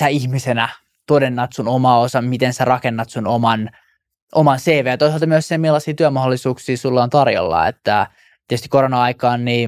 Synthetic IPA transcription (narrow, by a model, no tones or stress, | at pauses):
sæiçmisenæ | t̪odenːɑt̪sunomɑosɑmit̪ensærɑkenːɑt̪sunomɑn | ʔomɑnseːʋeːjɑt̪oisɑlt̪ɑmyøsemilːɑsiːt̪yømɑholːˑisuːksiːsulːɑːnt̪ɑrjo̰lːɑ̰ḛt̪ːæ | t̪itst̪i̥koɾonɑɑikɑːnniː